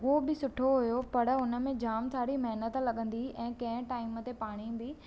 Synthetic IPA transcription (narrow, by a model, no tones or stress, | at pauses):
ɦobɪsʊʈʰoɦʊjopɐɽʊnə̆mẽd͡ʑaːmt̪ʰaːɽimɐɦnət̪lɐɠə̃nd̪iɛ̃ːkɐ̃ɦɪ̃ʈaːɪmət̪epaːɽ̃ind̪iː